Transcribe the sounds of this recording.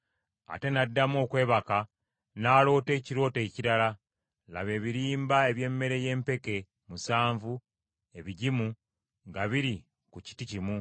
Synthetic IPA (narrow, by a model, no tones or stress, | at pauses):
a̰te̞nadːamo̞ːkwe̞ːβaka | naːlo̞ːte̞ːciɾo̞ːte̞ːciɾala | la̰βe̞ːβiɾiːmbae̞βje̞ːmːe̞ɾe̞je̞ːmpe̞ke̞ | musaːɱvu | e̞βiɟimu | ŋɡaβiɾi | kuci̥ticimu